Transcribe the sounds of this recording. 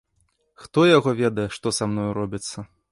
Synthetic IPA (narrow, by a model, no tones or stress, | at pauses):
xt̪ɔjaɣɔvʲɛd̪ɐjɛʂt̪ɔsamnɔjɾɔbʲit̪sːɐ